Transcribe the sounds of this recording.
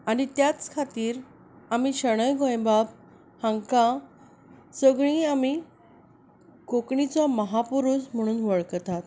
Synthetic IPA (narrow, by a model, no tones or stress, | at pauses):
aɽ̃it̪jat͡skʰat̪iːɾ | amiɕəɽ̃əjɡʱɔ̃jbab | hãŋkã | səɡɭĩami | kokɳit͡sɔməɦapuɾusm̤əɽ̃uːnʋəɭkt̪at̪